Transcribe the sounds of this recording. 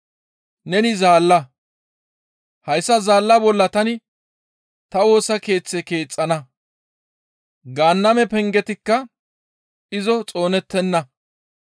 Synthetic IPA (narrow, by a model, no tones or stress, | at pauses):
nɛnɪzaːlːɐ | hɐjsːɐzaːlːɐbɔlːɐt̪ɐnɪ | t̪ɐwo̞ːsɐke̞ːt͡sːɛke̞ːt͡sʼːɐnɐ | ɡaːnːɐmɛpɛŋɡɛt̪ɪkːɐ | ɪzɔt͡sʼo̞ːnɛt̪ːɛnːɐ